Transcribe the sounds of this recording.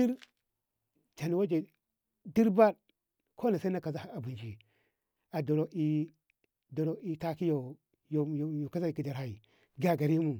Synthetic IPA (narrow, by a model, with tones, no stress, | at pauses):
di˦ɾ | ta˨ni˨wa˦d͡ʒe˨ | di˦ɾba˦d | kʰo˦na˨sa˦na˦ka˨za˨a˨bu˨nd͡ʒi˨ | a˨do˨ɾo˨i˦ | do˨ɾo˨i˨ta˦ki˦jo˨ | jo˨jo˨jo˨ka˦za˦i˨ki˨da˨ɾa˨i˨ | ɡa˨ɡa˨ɾi˦mu˨